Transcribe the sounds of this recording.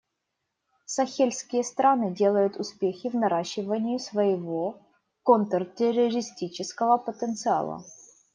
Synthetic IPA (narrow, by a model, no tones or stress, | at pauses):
sɐxʲelʲsʲkʲɪjəst̪ɾanɨdʲe̞lˠəjʊt̪ʊspʲexʲɪvnɐɾaɕːɪvənʲɪjɪsvəjɪvo | kont̪rtʲɪrəɾʲɪsʲtʲit͡ɕɪskəvəpət̪ənt̪sɨa̰lˠə̰